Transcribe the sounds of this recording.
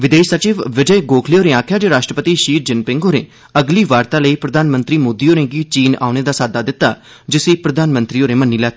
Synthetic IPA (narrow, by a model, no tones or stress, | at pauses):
ʋɪd̪eːʃsət͡ʃiːʋʋɪd͡ʒəjɡoːkʰleoːɾẽːaːkʰjaːd͡ʒeːɾaːʃʈɾəpət̪iːʃiːɾd͡ʒɪnpɪ̃ŋɡoːɾẽː | əɡliːʋaːɾt̪ãːləiːpɾəd̪aːnmə̃nt̪ɾiːmoːd̪iːoːɾẽːɡiːt͡ʃiːna̰ːʊneːd̪aːsaːd̪aːd̪ɪt̪ːa̰ː | d͡ʒɪsiːpɾəd̪aːnmənt̪ɾiːoːɾẽːmənːiːlɛːt̪ː